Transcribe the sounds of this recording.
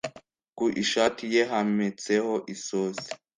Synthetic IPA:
kuʔiʃatʰijeɦamet͡sehoʔisoːse̥

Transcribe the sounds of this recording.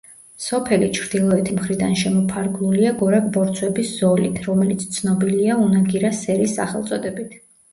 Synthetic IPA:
sɔpʰɛlit͡ʃʰɾd̪̥ilˠɔɛt̪ʰimχɾid̪anʃɛmɔpʰaɾɡnuliaɡɔɾaɡ̚bɔɾt̪sʰwɛbisz̥ɔlit̪ʰɾɔmɛlit̪sʰt̪sʰnɔbiliaunaɡiɾasɛɾisːa̰χɛlˠt̪sʼɔd̪ɛbit̪ʰ

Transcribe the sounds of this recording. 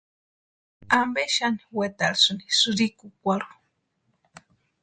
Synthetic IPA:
ambeʃaniwet̪alsuni̥suɾikukʷaɾu̥

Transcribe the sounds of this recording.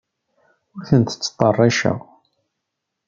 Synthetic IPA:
ʊɾθənt̪ə̥t͡sːt̪ˤːɑrˤːɑʃæ̰

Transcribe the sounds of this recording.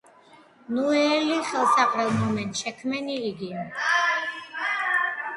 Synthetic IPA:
nuɛliχɛlˠsaqʼɾɛlˠmɔmɛnt̪ʼʃɛkʰmɛniːɡi

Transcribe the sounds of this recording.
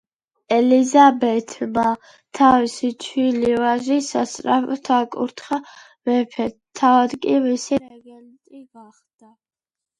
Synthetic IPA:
ɛlizabɛt̪ʰma | t̪ʰavisit͡ʃʰwilivaʒisast̪ʼɾa̰pt̪ʰakʼṵɾt̪ʰχa | vɛpʰɛt̪ʰːavad̪kʼimisiɾɛɡɛnt̪ʼiɡaχd̪̥a

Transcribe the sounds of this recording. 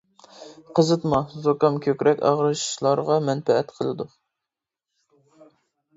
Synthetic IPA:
qʰəzɨt̪mɑzokɑmkʲʰøkʲɾɛkʲɑ̰ʁɾɨʃi̥ʃlˠɑɾʁɑmɛnpɛɛt̪qʰəlˠɨd̪u

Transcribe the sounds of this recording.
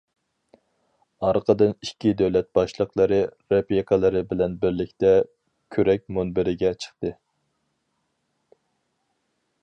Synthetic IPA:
ɑɾqʰəd̪ɨnikʲid̪ɛwlɛt̪̚bɑʃlˠəqlˠɨɾɨɾepjikʰəlˠɨɾɨbɪlɛnbɪɾlɪkʲt̪ɛ | kʲʰøɾɛk̚ʲmonbɪɾɪɡʲɛt͡ʃʰə̥χt̪ɨ

